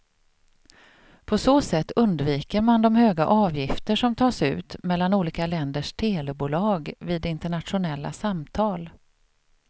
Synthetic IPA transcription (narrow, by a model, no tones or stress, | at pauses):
pʰɔsoːsɛt̪ːɵnd̪viːkəɾmand̪ɔmhøːɡa̰ʔɑːvjɪft̪əʂɔmt̪ʰɑːsʉ̟ːt̪mɛlːanuːliːkalɛnd̪əʂt̪ʰeːlɛbuːlɑːɡviːd̪ɪnt̪əɳat̪ɧʊnɛlːa̰samt̪ʰɑːl